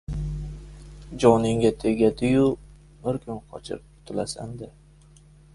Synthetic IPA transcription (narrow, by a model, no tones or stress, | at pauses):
d͡ʒɒnɪŋɡʲat̪ʰe̞ɡʲad̪ɪjʊ | bɪɾkʰʊnqʰɒ̰t͡ʃʰɪ̰ | t̪ʰʊlasand̪ɪ